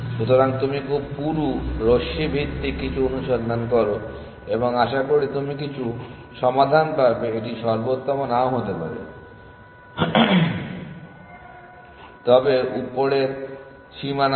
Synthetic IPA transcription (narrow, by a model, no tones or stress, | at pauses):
ʃut̪oɾaŋt̪umikʰub̚puɾuɾoʃibʱit̪ːikit͡ɕʰuonuʃond̪ʱankɔɾo | eboŋaʃakoɽit̪umik̬it͡ɕʰu | ʃɔmad̪ʱanpaɾbeeʈiʃɔɾbot̪ːɔmonaoɦot̪epa̰ɾḛ | t̪ɔbeupːoɽeɾ | ʃiman